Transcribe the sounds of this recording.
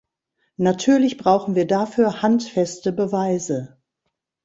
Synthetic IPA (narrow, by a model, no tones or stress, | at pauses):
natʰyːɐlɪçb̥ʁaʊxn̩viːɐdafyːɐhantfɛstəbəvaɪzə